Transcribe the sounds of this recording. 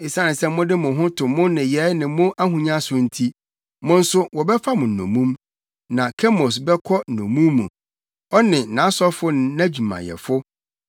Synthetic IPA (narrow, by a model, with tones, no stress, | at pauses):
ɪ˨sa˦nɪ̃˨sɛ˦mʊ̃˦dɪ˦mʊ̃˨ɦʊ̃˦tʰʊ̃˨mʊ̃˦nɪ̃˨jɛ˨˦nɪ̃˨mʊ̃˦ʔa˦ɦũ˨ɲã˦sʊ˦n̩˦tʰi˦ | mʊ̃˦n̩˦sʊ˦wɔ˨bɛ˦fa˦mʊ̃˨n̩˨nõ̰˨mũ˦m | nã˨kʰɛ˦mo˨s̬bɛ˦kʰɔ˦n̩˨nõ˨mũ˦mːṵ̃˨ | ɔ˦nɪ̃˨nã˨˦sɔ˦fʊ˦n˨næ̃˦d͡ʑi˨mã̰˨jɛ̰˨fʊ˦